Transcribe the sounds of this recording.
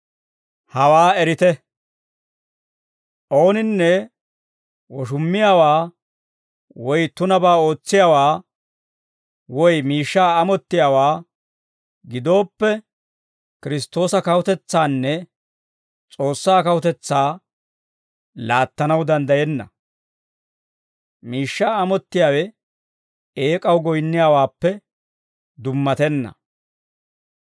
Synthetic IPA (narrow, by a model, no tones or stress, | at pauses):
hɐwaːɛɾɪt̪ɛ | ʔo̞ːnɪnːɛ | wɔʃ̬ʊmːɪjaːwaː | wɔjt̪ʊnɐbaːo̞ːt͡sːɪjaːwaː | wɔjmiːʃːaːɐmɔt̪ːɪjaːwaː | ɡɪd̪o̞ːpːɛ | kɪɾɪst̪ːo̞ːsɐkɐwʊt̪ɛt͡sːaːnːɛ | t͡sʼo̞ːsːaːkɐwʊt̪ɛt͡sːaː | laːt̪ːɐnɐwd̪ɐnd̪ɐjɛnːɐ̰ | miːʃːaːɐmɔt̪ːɪjaːwɛ | eːkʼɐwɡɔjnːɪjaːwaːpːɛ | d̪ʊmːɐt̪ɛnːɐ̰